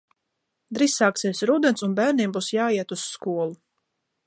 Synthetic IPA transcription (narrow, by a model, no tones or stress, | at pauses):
d̪ɾisːaːksiɛsɾuːd̪ɛnsunbæːɾnʲiɛmbuːsjaːiɛt̪uskuɔlˠu